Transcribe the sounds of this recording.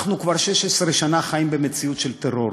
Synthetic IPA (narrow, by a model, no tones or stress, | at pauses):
χnukvaʁʃeʃesʁeʃanaχajimbe̞met͡siut̪ʃelt̪eʁo̞